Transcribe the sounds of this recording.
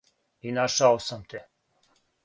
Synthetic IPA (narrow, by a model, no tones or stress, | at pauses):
inaʃawsamt̪ʰe